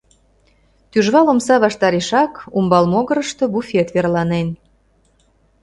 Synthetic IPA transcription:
t̪yʒβɑlomsɑβɑʃt̪ɑɾeʃɑkumbɑlmoɣəɾəʃt̪o̽bufʲet̪βerlɑnen

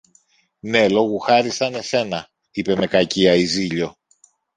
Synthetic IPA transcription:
ne̞lo̞ɣuxɐɾist̪ɐne̞se̞nɐ | ipe̞me̞kɐciɐiziʎo̞

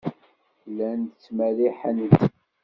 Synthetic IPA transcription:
lænt͡sːmæɾiħænət̪

